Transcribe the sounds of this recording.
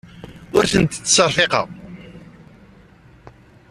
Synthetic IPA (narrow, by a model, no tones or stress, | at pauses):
ʊɾθənt̪t͡sːsəɾˤħeqɑ̰ʁ